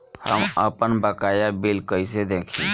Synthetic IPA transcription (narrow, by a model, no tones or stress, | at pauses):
hə̰mə̰pənbəkaːjabɪlkəɪsed̪eːkʰḭ̃